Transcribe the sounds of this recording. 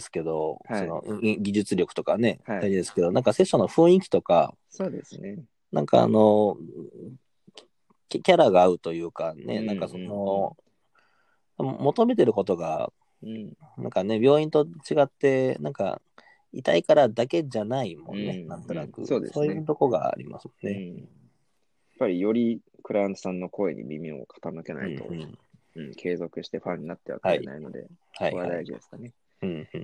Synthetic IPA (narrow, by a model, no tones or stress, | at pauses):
esɨ̥ke̞d̪o̞so̞no̞̰iɡʲiʑɨt͡sɨɾʲjo̞kɯ̟̥t̪o̞kane̞aɾid̪e̞sɨ̥ke̞d̪o̞nãŋkase̞ɕːo̞no̞ɸɯ̟̃ɰ̃ĩkʲi̥t̪o̞ka̰ | sodes | nã̰ŋka̰a̰no̞ | kʲkʲaɾaɡaːɯ̟t̪o̞jɯ̟ːkane̞̰nãŋkaso̞no̞ | mo̞t̪o̞me̞t̪e̞ɾɯ̟ko̞t̪o̞ɡa̰ | nã̰ŋkane̞bʲo̞ːĩnt̪o̞t͡ɕiɡat̪ːe̞nã̰ŋka̰ | it̪aikaɾad̪ake̞d͡ʑanaimõ̞̰nːenãnt̪o̞nakɯ̟̰soːd̪eso̞ːjɯɯːt̪o̞koɡa̰a̰ɾʲḭma̰sɨmonːe | japːaɾʲijo̞ɾʲi | kɯ̟ɾãnt̪o̥sãnːo̞ko̞e̞̰ɲ̟ḭmʲimʲio̰kʰḁt̪anɯke̞na̰it̪o̞̰ɯ̃ | ɯ̃ːkʰe̞ːzo̞kɯ̟ɕi̥t̪e̞ɸãɲ̟ːinat̪ːe̞βa̰khaina̰ino̞d̪e̞̰haikoad̪aiʑid̪e̞̰sɨ̥kane̞ | ɯ̟̃ː